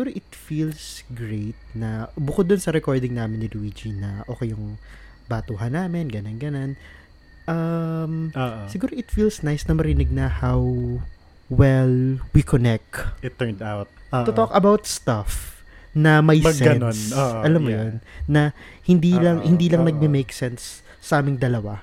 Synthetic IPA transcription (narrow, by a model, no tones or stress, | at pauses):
sɪɡuːɾoʔɪt̪̚fiːlsɡɹejt̪̚nɐbʊkod̪ːʊnsɐɾɛkoɹd̪ɪŋnaːmɪnːɪluwid͡ʒinɐʔoːkɛjʊŋ | baːt̪uːɦɐnːaːmɪnɡɐnɐnɡɐnon | ʔɐmoʔsɪɡuːɾoʔɪt̪fiːlsnajsnɐmɐɾɪnɪɡ̚nɐhawː | ɛlwikʰonɛk̚t̪ɪt̪ːɛnd̪awt̪̚ʔoːʔ̪ʊokɐbawt̪̚st̪ɐfnɐmɐjsɛɡɐnonoʔɐlamːojonːɐ | hɪnd̪iːlɐŋhɪnd̪iːlɐŋnɐɡ̚mɪmejksɛnsː | ɐʔaːmɪŋd̪ɐlɐwa